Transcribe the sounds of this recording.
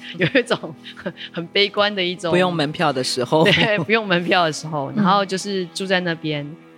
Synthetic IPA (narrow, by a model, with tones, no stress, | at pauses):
jo˨˩ʊi˧˥ʈ͡ʂʊ˨˩˦ŋxə˨nxə˨˩npe˥ɪkwa˦nd̪ə˨i˥˩ʈ͡ʂʊ˨u˧jʊ˥˩ŋmə˧˦npʰjɑ˥˩ʊd̪ə˩ʂɻ̩˧˥xo˧ʊt̪we˥pu˧˥jo˥˩ŋmə˧˥npʰjɑ˥˩ʊd̪ə˩ʂɻ̩˧˦xo˥˩ʊna˧˦ŋxo˥˧ʊt͡ɕjo˥˧ʊʂɻ̩˥˧ʈ͡ʂu˥˧t͡sa˥˧ɪna˥˧pjɛ˦n